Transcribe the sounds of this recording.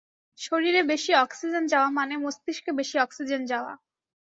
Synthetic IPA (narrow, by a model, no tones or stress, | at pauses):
ʃoɾiɾebeʃiɔksid͡ʑend͡ʑaoamanemost̪iʃkebeʃiɔksid͡ʑend͡ʑaoa̰